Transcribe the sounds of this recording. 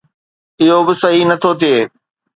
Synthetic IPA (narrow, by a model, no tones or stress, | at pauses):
ɪɦobɪsɐɦinɐt̪ʰot̪ʰeː